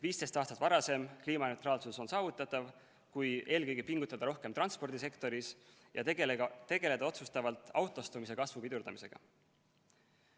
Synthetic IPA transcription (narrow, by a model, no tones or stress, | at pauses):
viːst̪e̞st̪ɑːst̪ɑt̪vɑɾɑse̞mkliːmɑne̞wt̪ɾɑːlsuso̞nsɑːvut̪ːˑɑt̪ːˑɑv | kuje̞ːlkø̞jɡ̥ipiŋɡ̥ut̪ˑːɑd̪̥ɑɾo̞hke̞mt̪rɑnspo̞rd̪̥is̬e̞kt̪o̞ɾis | jɑt̪ːe̞ɡe̞le̞d̪̥ɑo̞t̪sust̪ɑvɑlt̪ˑɑwt̪ˑo̞st̪umis̬e̞kɑsvupid̪uɾd̪ɑmi̥se̞ɡ̥ɑ̰